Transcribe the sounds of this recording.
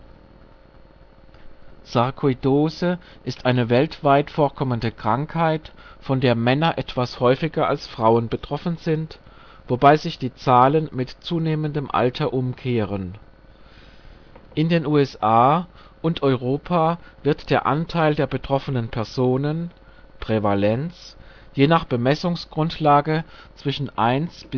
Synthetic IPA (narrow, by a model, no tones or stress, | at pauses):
z̥aʁkʰɔidoːzə | ʔɪstʔaɪnəvɛltv̥aɪtfoːɐkʰɔməndəkʁ̥aŋkhaɪtfɔndeːɐmɛnɐʔɛtv̥ashɔʏfɪɡɐa̰lsfʁ̥aʊənbətʁ̥ɔfn̩zɪnt | v̥obaɪzɪçd̥iːt͡saːlənmɪtt͡suːneːməndəmʔa̰ltʰɐʔʊmkʰeːʁ̞ən | ʔɪndeːnʔuːɛsʔaː | ʔʊntʔɔʏʁ̞oːpʰaːvɪɐtd̥eːɐʔa̰ntʰaɪldeːɐbətʁ̥ɔfənənpʰɛɐzoːnən | pʁ̥evalɛnt͡s | jeːnaːχb̥əmɛsʊŋsɡ̥ʁʊntʰlaːɡət͡sv̥ɪʃn̩ʔaɪnsb̥ɪ